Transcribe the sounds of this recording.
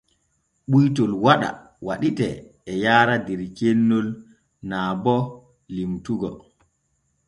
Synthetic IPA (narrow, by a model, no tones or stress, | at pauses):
ɓujtɔlwaɗa̰ | waɗitɛː | jaːɾadɛɾt͡ʃenːɔl | naːbɔ | limtuɡɔ̰